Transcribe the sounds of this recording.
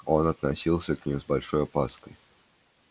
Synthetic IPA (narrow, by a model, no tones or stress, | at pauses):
o̞nɐt̪nɐsʲilˠsʲəknʲimzbɐlʲʂo̞jɐpaskəj